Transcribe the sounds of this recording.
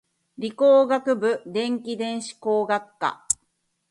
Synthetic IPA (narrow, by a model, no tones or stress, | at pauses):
ɾʲikoːɡakɯ̟bɯ̟d̪ẽ̞ŋkʲid̪ẽ̞ɰ̃ɕi̥koːɡakːa̰